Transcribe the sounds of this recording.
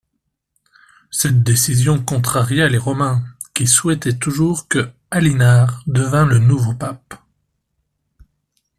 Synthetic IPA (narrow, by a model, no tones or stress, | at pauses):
sɛt̪̚d̪esizjɔ̃kɔ̃t̪χaʁjealeʁɔmɛ̃ | kʲiswɛt̪ɛt̪uʒuʁkə | alinaːʁd̪əvɛ̃lənuvopap̚